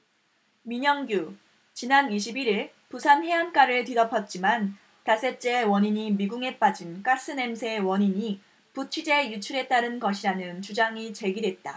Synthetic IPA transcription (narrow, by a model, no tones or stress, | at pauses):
miɲʌŋɡju | t͡ɕinaniɕ̬ʰibiɾiɭ | pusʰanhe̞ank͈aɾɯɭtidʌpʰʌt̚t͡ɕ͈iman | tas͈e̞t͡ɕ͈e̞wʌɲiɲimiɡuŋe̞p͈ad͡ʑink͈as͈ɯne̞msʰe̞wʌɲiɲi | put͡ɕʰid͡ʑe̞jut͡ɕʰuɾe̞t͈aɾɯnɡʌɕʰiɾanɯnt͡ɕud͡ʑaŋit͡ɕe̞ɡidwe̞t̚t͈a